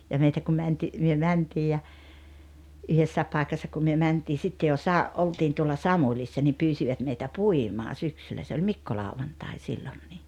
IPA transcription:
jɑ meitæ ku mænti myø mæntiː jɑ yhesːæːep pɑˑekɑsːɑ kum myø mæntiː sitːe jo sɑ oltiːn tuolːɑ sɑmulʲisːɑ nim pyːsiʋɑt meitæ puimɑː syksylːæ se olʲ mikːolɑˑuʋɑntɑi silːonːiː

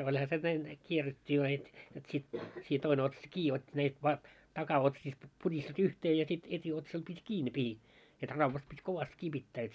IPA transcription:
olʲhɑ se næin kierːetʲːiː ʋɑː heit jot sit siː toine otsɑs kiː otʲːi næip ʋɑ tɑkɑotsiːst purʲisti yhteː jɑ sit etʲiotsɑl pitʲ kiː ne pihi et rɑʋːɑt pitʲ koʋɑst kiː pitːæː et

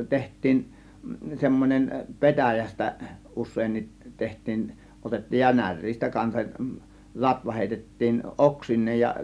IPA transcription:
tehtˑiːn semːonʲem petæjæstæ usˑeːnːit tehtˑiːn otetːiːj jɑ nær̆ʲriːstæ kɑnsɑk lɑtʋɑ heˑitetːiːn ʔoksinˑeːj jɑ

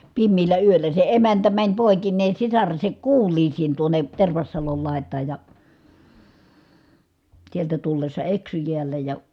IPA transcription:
pimːiːlːæ yølːæ se emæntæ mænʲ poˑekinːeː sisɑresek kuːlˑiːsiːn tuone terʋɑsːɑlol lɑˑi̯tˑɑːj jɑ sieltæ tulːesːɑ eksy jiælːæ jɑ

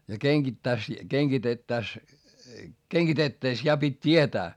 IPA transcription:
jɑ keŋɡ̊itːæis keŋɡ̊itetːæs keŋɡ̊itetːæes jɑ pitʲ tʲietæː

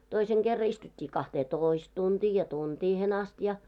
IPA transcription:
toiseŋ ɡ̊erːɑ istutʲːiː kɑhteːtoˑist tuntiː jɑ tuntiːhen ɑst jɑ

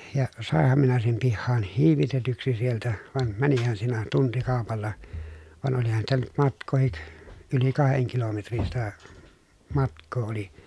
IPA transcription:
jɑ sɑˑehːɑm minæ sem pihːɑːn hiːʋitetyksi sieltæ ʋɑn mænihæn siːnæ tuntikɑˑopɑlːɑ ʋɑn olihɑn sitæ nyt mɑtkˑoˑhik yli kɑheŋ kilometrin sitæ mɑtkˑoː oli

